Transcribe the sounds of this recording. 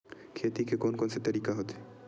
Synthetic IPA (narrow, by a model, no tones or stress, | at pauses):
kʰet̪ikekonkonset̪əɾikaɦot̪e